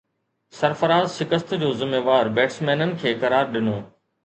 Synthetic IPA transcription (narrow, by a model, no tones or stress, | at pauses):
sɐɾfɐɾaːzʃɪkəst̪d͡ʑoːzɪmeːʋaːɾbeːʈsmɛːnənɪ̆kʰeːkɐɾaːɾɗɪnoː